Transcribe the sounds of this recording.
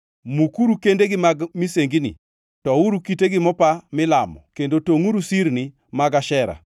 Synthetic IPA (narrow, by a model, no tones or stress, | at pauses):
mukuɾukendeɡɪmaɡmiseŋɡinḭ | tɔuɾukiteɡɪmɔpamɪlamɔ̰kendotoŋuɾusiɾni | maɡaʃɛɾa̰